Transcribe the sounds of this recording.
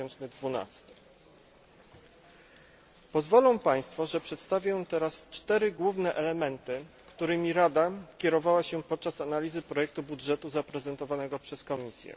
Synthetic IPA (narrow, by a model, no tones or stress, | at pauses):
ɛnt͡ʂnɘd̪vuna̰st̪ɘ̥ | pɔzvɔlɔ̃w̃paj̃st̪fɔʐɛpʂɛt̪st̪avʲjɔ̃w̃t̪ɛɾast͡ʂt̪ɛɾɘɡwuvnɛʔɛlɛmɛnt̪ɘ | kt̪uɾɘmʲiɾad̪akʲɛɾɔvawaɕɛpɔt̪̚t͡ʂasanalʲizɘpɾɔjɛk̚t̪ubudʐɛt̪uzapɾɛzɛnt̪ɔvanɛɡɔpʂɛskɔmʲisʲjɛ̰